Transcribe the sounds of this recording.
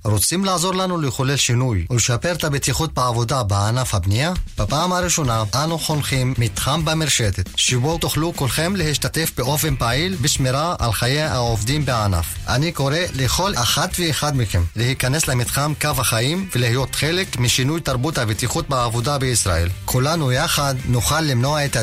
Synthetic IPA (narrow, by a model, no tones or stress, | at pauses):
ɾot͡simlaːzo̞ɾlanuleχolelʃinujuleʃapeʁt̪abet̪iχut̪̚beʕavod̪abeanafhabnijab̥apaːmhaɾiʃo̞naʔanuχonχimːit̪χambameɾʃet̪et̪ʃebot̪oχlukolχe̞mlehiʃt̪at̪e̞fbeʔo̞fe̞npaʕilbeʃmeɾaa̰lχajeaovd̪imbeana̰fʔa̰niko̞ʁeleχo̞laχat̪veːxad̪mikemlehikaneslemit̪χamkavhaχaimvelihijo̞t̪χelekmiʃinujt̪aʁbut̪habet̪iχut̪̚beavod̪abeisʁaʔelkʰulanujaχad̪nuχalːimnoaet̪a